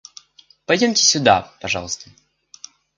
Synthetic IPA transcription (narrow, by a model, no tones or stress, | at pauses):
pɐjdʲomʲtʲɪ̥sʲʊd̪a̰pɐʐɑ̰lˠəst̪ə̥